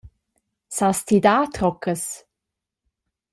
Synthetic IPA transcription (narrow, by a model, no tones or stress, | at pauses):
sast̪ʰid̪aːt̪ɾɔkʰəs